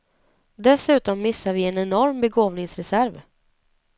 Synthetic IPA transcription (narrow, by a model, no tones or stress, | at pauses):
d̪ɛsʉ̟ːt̪ɔmːɪsːavɪɛnɛnɔɾmbɛɡoːvnɪŋsɾɛsæɾv